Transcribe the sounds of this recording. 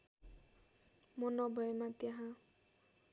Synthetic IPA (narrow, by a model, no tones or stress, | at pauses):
mʌnʌbʱʌemat̪jaɦã